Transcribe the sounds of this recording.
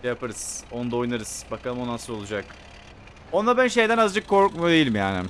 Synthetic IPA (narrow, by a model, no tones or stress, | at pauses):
japʰaɾɯz̥o̞nd̪ao̞jnaɾɯz̥bakʰalˠɯmo̞nansɯɾo̞lˠud͡ʒak | o̞nd̪abænʃe̞jd̪ænazd͡ʒɯkʰːo̞ɾkmad̪e̞jilʲmjaːnɪ̰